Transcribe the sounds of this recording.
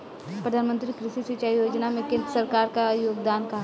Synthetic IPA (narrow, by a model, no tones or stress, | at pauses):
ppɾəd̪ʱaːnmə̃nt̪ɾikɾɪʃisit͡ʃaijoːd͡ʒnamẽkẽnd̪əsɐɾkaːɾkajoːɡd̪aːnkaɦ